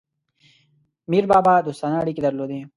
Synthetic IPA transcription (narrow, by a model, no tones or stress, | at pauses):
miːɾbaːbad̪ust̪aːnaːɽikid̪ɐɾloːd̪e